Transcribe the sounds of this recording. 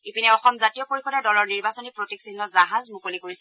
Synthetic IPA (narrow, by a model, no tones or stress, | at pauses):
ipinɛɔxɔmzatijɔpoɹixɔdɛdɔlɔɹniɹbasɔnipɹotiksinːɔzaɦazmukolikoɹisɛ